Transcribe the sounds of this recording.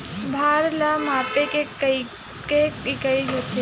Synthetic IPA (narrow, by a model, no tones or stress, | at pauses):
bʱaːɾlamaːpeke | keikəiɦot̪ʰe